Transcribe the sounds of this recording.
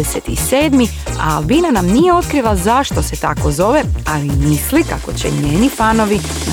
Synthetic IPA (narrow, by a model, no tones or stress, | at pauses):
eset̪iseːd̪mi | a̰ːlˠbinanamnije̞o̞t̪kɾilazaʃt̪o̞se̞t̪ako̞zo̞ʋealimislika̰ko̞t͡ɕḛɲeːnifano̞ʋi | na